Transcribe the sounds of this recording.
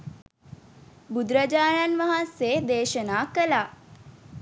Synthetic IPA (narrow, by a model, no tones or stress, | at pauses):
bud̪ɾəd͡ʒaːɳanʋaɦanseːd̪eːʃənaːkəlaː